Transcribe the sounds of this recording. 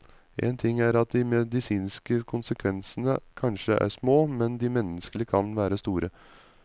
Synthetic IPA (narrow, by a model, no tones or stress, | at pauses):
ʔḛːnt̪ʰɪŋːæɾɑt̪̚d̪ɪmɛd̪ɪsiːnskəkʰʊnsəkʰʋɛnsənəkʰɑnʂəʔæ̰ʂmoːmɛnd̪ɪmɛnːəskəlɪkʰɑnʋæːɾəst̪uːɾə